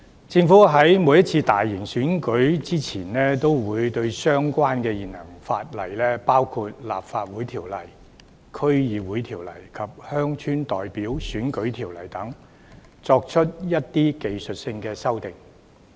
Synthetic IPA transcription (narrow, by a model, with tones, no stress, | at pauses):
t͡sɪ˧ŋfuː˨˥ɦɐ˨˥jmuː˨˧jɐ˥t̚t͡sʰiː˧t̪aː˨jːi˨˩ŋsyː˨˥nkɵ˨˥ɥt͡siː˥t͡sʰiː˨˩nnɛː˥t̪o˥wwuː˨˧jt̪ɵ˧ɥsœː˥ŋkʷaː˥nkɛː˧jiː˨˩nhɐ˨˩ŋfa̰ː˧t̚lɐ˨˩jlɛː˥paː˥wkʰuː˧t̚la̰ː˨p̚faː˧t̚wuː˨˥jt̪ʰiː˨˩wlɐ̰˨˩j | kʰɵ˥ɥjiː˨˧wuː˨˥jt̪ʰiː˨˩wlɐ̰˨˩jkʰɐ˨p̚hœː˥ŋt͡ʃʰyː˥nt̪ɔː˨jpiː˨˥wsyː˨˥nkɵ˨˥ɥt̪ʰiː˨˩wlɐ˨˩jt̪ɐ˨˥ŋ | t͡sɔː˧k̚t͡ʃʰɵ˥t̚jɐ˥t̚t̪iː˥ke˨jsɵ˨t̚sɪ˧ŋkɛː˧sɐ˥wt̪ɪ˨ŋ